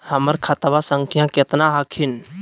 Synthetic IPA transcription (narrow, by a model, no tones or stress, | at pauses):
həməɾkʰat̪basəŋkʰijãket̪naɦəkʰin